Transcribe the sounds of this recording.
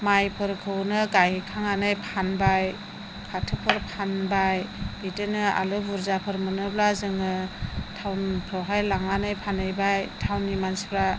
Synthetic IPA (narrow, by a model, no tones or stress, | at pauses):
majpʰɯɾkʰɯwnɯɡajkʰaŋanɯjpʰanbaj | kʰatʰɯpʰɯɾpʰanbajitɯnɯa̰lɯbuɾzapʰɯɾmɯnɯblazɯŋɯtʰawnpʰɾɔɦajlaŋanɯjpʰanɯjbajtʰawnːimanspʰɾa